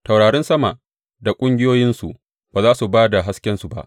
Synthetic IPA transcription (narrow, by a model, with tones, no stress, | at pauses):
ta˨wɽaː˨ɽɛ˦nsɐ˦ma˨ʔ | da˨kʷʼʊ˦ŋɡʲɪ˦joː˦jɪ˦nsu˨ʔ | b̥aː˨zaː˦su˨baː˦da˨ɦa˦skʲɛ˦nsu˨ba̰˦ʔ